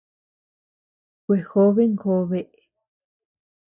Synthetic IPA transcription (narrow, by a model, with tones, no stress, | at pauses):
kʷe˨xo˦βe˦ŋko˧˦βe˦ʔe˨